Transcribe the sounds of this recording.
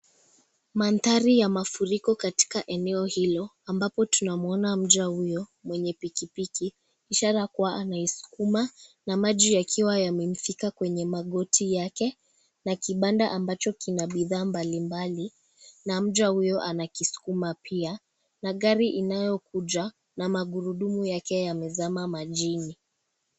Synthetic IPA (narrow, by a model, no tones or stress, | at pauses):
mantaɾijamafuɾikɔkati̥kaʔɛnɛɔhilɔ | ambapɔtunamuɔnam̩ʄahujɔmwɛɲɛpikipikiː | ʃaɾakuwaʔanaisu̥kumanamaʄijakʰiwajamɛm̩fikakwɛɲɛmaɠɔtʰijakɛ | nakiɓandaʔambat͡ʃɔkinaɓiðaːmbalimbali | nam̩ʄwahujɔʔanakisu̥kumapʰia | naɠaɾiʔinajɔkuʄa | namaɠuɾuɗumujakɛjamɛzamamaʄini